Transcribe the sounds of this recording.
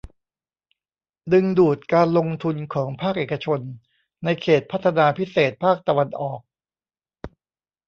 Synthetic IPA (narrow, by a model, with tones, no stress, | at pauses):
dɯ˧ŋduː˨˩t̪̚kaː˧nlo˧ŋt̪ʰu˧nkʰɔː˩˦ŋpʰaː˥˩k̚ʔeː˨˩ka˧t͡ɕʰo˧nː | a˧jkʰeː˨˩t̪̚pʰa˦˥t̪ʰːa˧naː˧pʰi˦˥seː˨˩t̪̚pʰaː˥˩k̚t̪a˧wa˧nʔɔː˨˩k̚